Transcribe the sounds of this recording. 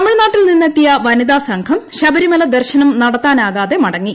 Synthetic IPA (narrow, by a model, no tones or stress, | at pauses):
ɐmːiɻnaːʈːilninːɐt̪ːijɐʋɐniðaːsɐŋkʰɐmɕɐbɐɾimɐlɐd̪ɐrɕɐnɐmnɐɽɐt̪ːaːnaːɣaːðe̞mɐɽɐŋːi